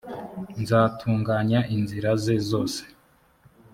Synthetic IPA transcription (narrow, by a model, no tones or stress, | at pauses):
nzaːtʰuːŋɡaɲaʔinziɾaze̞zo̞ːse̥